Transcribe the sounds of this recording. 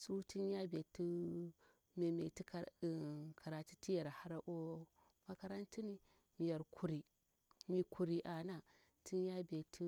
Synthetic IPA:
su˦ti˦n˦ja˦be˨ti˦ | me˨me˨ti˦˨ | kʰa˨ɾa˨ti˦ti˦ja˨ɾha˦ɾa˦ʔo˦ | ma˦ka˦ɾa˦nti˦ni˦ | mi˨ja˨ɾkʰu˨ɾi˨ | mi˨kʰu˨ɾi˨ʔa˨na˦ | tʰi˦n˦ja˦be˨tʰi˦

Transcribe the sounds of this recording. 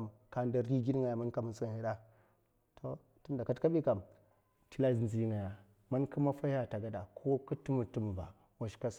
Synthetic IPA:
mka˨nda˨ɾi˦ɡi˦n˦ŋɡa˨ja˨ma˦nka˨mu˨sa˦˨˦a˨˦da˦ | tʰo˦ | ti˦nda˨ka˦tka˦ɓi˦ka˨m | ti˦la˦˨zn˨i˨˦ŋɡa˨ja˨ | ma˦nku˦ma˦fa˦ja˦˨ta˨ɡa˨da˨kʰo˦ku˦tu˦mu˨tu˦m˨ba̰˨ | wa˨ʃka˦s

